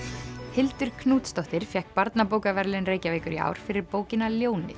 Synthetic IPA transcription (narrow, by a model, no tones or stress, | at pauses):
hɪlt̪ʏɾ̥kʰnuːt̪st̪ɔht̪ɪɾ̥fjɛhk̚paɾt̪napoːwkavɛɾlɪnreːjcaveːjkʏɾia̰ːwɾ̥fɪɾɪɾpoːwcɪnaljoːwnɪ̰θ